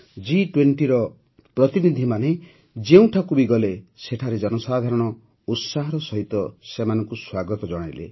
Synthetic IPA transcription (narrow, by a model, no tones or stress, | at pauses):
d͡ʒiʈweɳʈiɾɔ | pɾɔt̪inid̪ʱimane | d͡ʒeũʈʰakubiɡɔleseʈʰaɾed͡ʒɔnɔsad̪ʱaɾɔɽ̃ɔ | ut̪saɦɔɾɔsɔɦit̪ɔsemanɔŋkuswaɡɔt̪ɔd͡ʒɔɽ̃ajlḛ